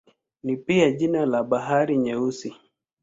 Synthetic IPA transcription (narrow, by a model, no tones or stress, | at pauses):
nipiaʄinalaɓaɦaɾiɲɛusi